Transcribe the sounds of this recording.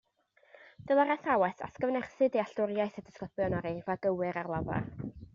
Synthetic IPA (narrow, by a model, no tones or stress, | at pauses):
d̥ɨlˠaɾaθawɛθa̰skəvnɛrθɨdiaɬtʊrjajθədə̥skləpjɔnɔɾevaɡəwɨɾarlˠava̰